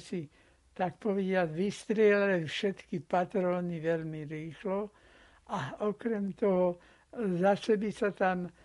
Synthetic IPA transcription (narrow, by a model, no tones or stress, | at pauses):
si | t̪akpɔʋɛdɪad͡zʋist̪ɾɪɛlalɛfʃɛt̪kipat̪ɾɔːniʋɛlmiɾiːxlɔ | aɔkɾɛmt̪ɔɦɔ | zasɛbisat̪am